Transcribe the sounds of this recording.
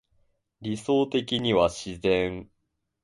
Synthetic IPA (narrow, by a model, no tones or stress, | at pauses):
ɾʲiso̞ːt̪e̞kʲiɲ̟iβaɕizẽŋ